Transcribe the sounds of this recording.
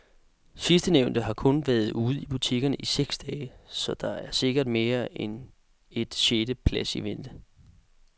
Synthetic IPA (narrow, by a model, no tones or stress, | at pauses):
sisd̥əneʊnd̥əɦɑ̈kʰɔ̽nʋæɐð̩ˠuːð̞̩ˠib̥ut͡sʰiɡ̥ɐnəʔiseɡ̥sd̥ɛːɪsɒ̽d̥ɑ̈æɐse̝ɡ̥ɐd̥me̝ːɐen | e̝d̥ɕeːd̥əpʰlæsḭʋend̥ə